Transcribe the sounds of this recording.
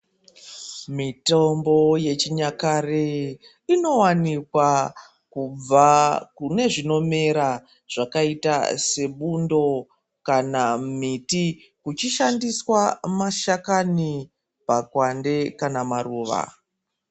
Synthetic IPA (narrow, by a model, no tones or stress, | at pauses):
mitombo̞je̞t͡ʃiɲakare | ino̞wanikwa | kub͡vakune̞ʐino̞me̞ɾa | ʐ̥akaitase̞ɓundo̞ | kanamiti | kut͡ʃiʃandiswamaʃakani | pakwande̞kanamaɾuːʋa̰